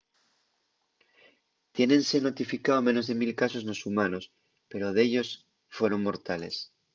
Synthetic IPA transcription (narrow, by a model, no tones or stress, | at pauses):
t̪je̞nẽ̞nse̞no̞t̪ifikaomẽ̞no̞zðe̞milkaso̞znosumano̞s | pe̞ɾo̞ðe̞ʎo̞s | fwe̞ɾo̞ŋmo̞ɾt̪ale̞s